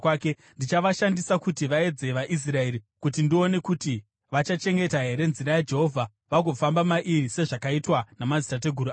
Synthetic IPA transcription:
ke | ndit͡ʃaʋaʃandisakutiʋae̞d͡ze̞ʋaʔis̬rae̞ɾi | kut̬indione̞kuti | ʋat͡ʃat͡ʃe̞ŋɡe̞taɦe̞ɾe̞nziɾajad͡ʒe̞ɦo̞vʱa | ʋaɡʱo̞fambamaʔirise̞ʐakaitwanamazitat̬e̞ɡʱuɾu

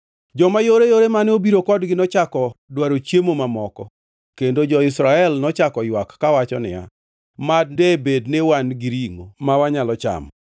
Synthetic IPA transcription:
d͡ʒɔmajoɾejoɾemaneobiɾokɔdɡɪnɔt͡ʃakɔdwaɾot͡ʃjemomamɔkɔ | kendod͡ʒɔɪsɾaɛlnɔt͡ʃakɔjwakːawat͡ʃɔnɪa̰ | mad̚debednewanɡɪɾiŋomawaɲalɔt͡ʃa̰m

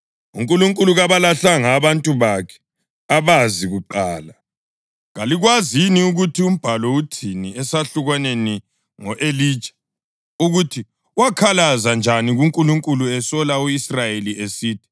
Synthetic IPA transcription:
ṵŋkʼuluŋkʼuluɣaβalaɬaŋaβantʼuβakʰɛ̥ | aβaziɣuǃaːla | ɣaliɣwaziniuɣutʰium̩b̥ʱalɔutʰiniɛsaɬuɣwaneni | ŋɔʔeli̥ːt͡ʃḁ | uɣutʰi | wakʰalazand͡ʒʱaniɣuŋkʼuluŋkʼuluɛsɔlauisrajeliesiːtʰi̥

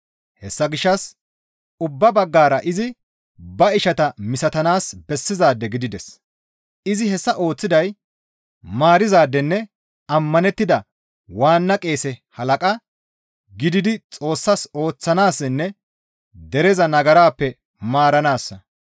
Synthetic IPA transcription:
hɛsːɐɡɪʃːɐs | ʊbːɐbɐɡːaːɾɐʔɪzɪ | bɐɪʃɐt̪ɐmɪsɐt̪ɐnaːsbɛsːɪzaːd̪ːɛɡɪd̪ɪd̪ɛs | ɪzɪhɛsːɐʔo̞ːt͡sːɪd̪ɐj | maːɾɪzaːd̪ːɛnːɛ | ɐmːɐnɛt̪ːɪd̪ɐ | waːnːɐkʼe̞ːsɛhɐlɐkʼɐ | ɡɪd̪ɪd̪ɪt͡sʼo̞ːsːɐso̞ːt͡sːɐnaːsːɛnːɛ | d̪ɛɾɛzɐnɐɡɐɾaːpːɛ | maːɾɐnaːsːɐ

